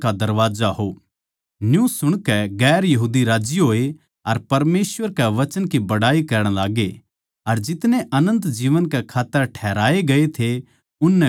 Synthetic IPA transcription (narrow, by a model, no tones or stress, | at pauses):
kad̪ɐɾʋaːzaɦo | njũsʊɽ̃kɛɡɛːɾjɐɦuːd̪iɾaːd͡ʒiɦoːe | ɐɾpɐɾmeːsʋəɾkɛʋɐt͡ʃənkibɐɽaːikɐɾəɽ̃laːɡe | ɐɾd͡ʒɪt̪nẽʔɐnə̃nt̪d͡ʒiːʋənkɛkʰaːt̪ːəɾʈʰɛːɾaːeɡɐet̪ʰe | ʊnːɛ̃